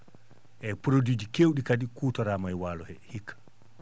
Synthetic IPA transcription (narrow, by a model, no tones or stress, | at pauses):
ʔɛpɾodid͡ʒikewɗikadikuːtɔɾaːmajwaːlɔhɛhikʰːḁ